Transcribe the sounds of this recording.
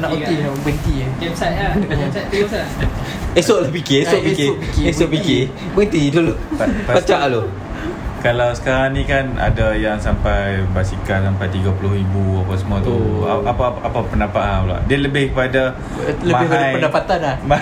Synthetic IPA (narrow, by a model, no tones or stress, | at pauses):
naʔokibənt̪ikɛbsaʔaaa | esoʔlopikiesoʔpikipikiesoʔpikɪ | bənt̪iduluʔabbat͡ʃaʔlo | kalawsə̥kaɾaŋnikana̰dajaŋsampajbasikansampajt̪iɡapulʊhibuapas̬əmuat̪uaaaapapənapaʔanula̰ʔdialəbɪhkəpada | ləmabɪhbəəndapat̪anlam